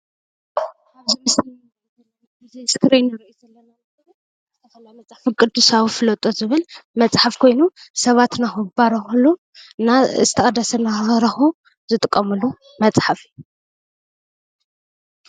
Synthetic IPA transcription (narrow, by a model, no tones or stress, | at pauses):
aβzimɨsl | ɐl | bɨzejskʰɨɾejnɐɾiʔizɐlːɐnanaɐɾu | ɨɐkɐlamɐt͡sʼħafikʼɨd̪usaβfɨlɐt̪ʼozɨβɨlmɐt͡sʼħafkʰo̞jnusɐβat̪naxubaɾɐxulu | nazɨt̪ʰɐʔʼɐd̪ːɐsɐnaɾɐxu | zɨt̪ʼɨkʼːɐmɨlu | mɐt͡sʼħafi